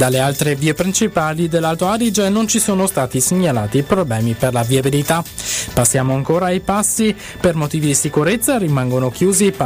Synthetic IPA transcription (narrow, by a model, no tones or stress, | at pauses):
d̪alealt̪ɾeviːepɾint͡ʃipaːlid̪elːalt̪oad̪id͡ʒenːont͡ʃisoːnost̪aːt̪iseɲːalaːt̪ipɾoblɛːmiperlaviabilit̪apasːjaːmoaŋkoːɾaːjpasːi | permot̪iːvid̪isikuɾet̪sːaɾimaŋɡonokjuːzip